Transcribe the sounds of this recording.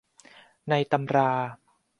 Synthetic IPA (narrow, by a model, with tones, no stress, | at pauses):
na˧jt̪a˧mɾaː˧